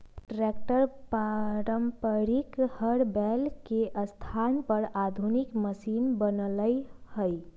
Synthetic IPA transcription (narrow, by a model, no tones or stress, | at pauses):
ʈɾek̚ʈəɾpaɾəmpəɾikhəɾbɛlkeʔəst̪ʰanpəɾad̪ʱunikməsinbənləjhəj